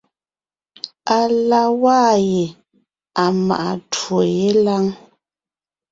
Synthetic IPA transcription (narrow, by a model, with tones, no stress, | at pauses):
a˨la˨waː˦˨je˨ | a˨ma̰˨ʔa˨two˨je˦la˦ŋ